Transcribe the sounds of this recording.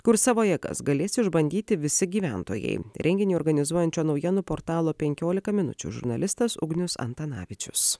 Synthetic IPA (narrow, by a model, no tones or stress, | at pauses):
kʊɾsɑːʋoːjɛːkɐ̰sɡɐlʲeːsʲɪɪʒbɐnʲd̪ʲiːt̪ʲɪʋʲɪsʲɪɡʲiːʋʲænt̪o̰ːjɛ̰ɪɾʲʔɛŋʲɡʲɪnʲiːɔːɾɡɐnʲɪzuɔjɛnʲt͡ʃʲoːnɒʊjiɛnuːpoːɾt̪ɑːlˠoːpʲɛŋʲkʲoːlʲɪkɐmʲɪnʊ̰t͡ʃʲṵːʒʊ̰ɾnɐlʲɪst̪ɐsʊ̰ɡnʲʊsɐ̰nt̪ɐnɑ̰ːʋʲɪt͡ʃʲʊ̰s